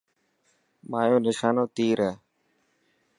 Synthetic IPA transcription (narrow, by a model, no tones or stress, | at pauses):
maːjoːnɪʃaːnoːt̪iːɾəː